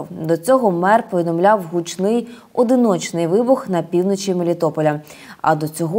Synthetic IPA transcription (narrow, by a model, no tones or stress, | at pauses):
wd̪ɔt͡sʲɔɦɔmɛrpɔʋʲid̪ɔmlʲawɦut͡ʃnɪj | ɔd̪ɪnɔt͡ʃnɪjʋɪbʊxnɐpʲiwnɔt͡ʃimelʲɪt̪ɔpɔlʲɐ | ɐ̰d̪ɔt͡sʲɔɦɔ